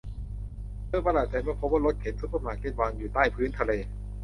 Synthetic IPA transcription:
lɤː˥˩pa˧laː˨˩t͡ɕa˧jkɔː˥˩pʰo˦˥p̚waː˥˩lo˦˥t̪̚kʰe˨˩˦nsʰu˦˥p̚a˧maː˨˩keː˥˩waː˧ŋjuː˨˩t̪aː˥˩jpʰɯː˦˥nt̪ʰa˧leː˧

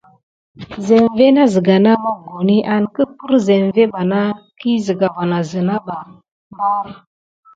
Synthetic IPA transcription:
ze˨mve˦na˦zə˨ɡa˨na˦ma˦ɡo˨ni˦ʔa˨nkə˦pə˦ɾze˨mve˦ɓa˨na˦ki˦zə˨ɡa˨va˨na˨zə˨na˦ba˨ | ba˦ɾ

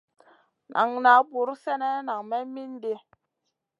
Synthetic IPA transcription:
nʔa̰˨ŋna˨bu˨ɾsɛ˦nɛ˦na˨ŋmɛ˦mi˦nde˦

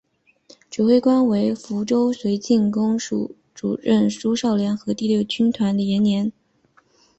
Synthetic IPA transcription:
ʈ͡ʂɻu˨˩xwe˥˩ɪkwa˥nwe˧˥ɪfu˧˥ʈ͡ʂo˥ʊswe˧˥ɪt͡ɕi˥˩nkʊ˥ŋʂṵ˨˥˩ | ʈ͡ʂu˨˩ɻə˥˩nʂu˥ʂɑ˥˩ʊljɛ˧˥nxɤ˧˥t̪i˥˧ljo˥˩ʊt͡ɕʰy˥nt̪ʰwa˧˥nd̪ə˧jɛ˧˥nnjɛ˧˥n

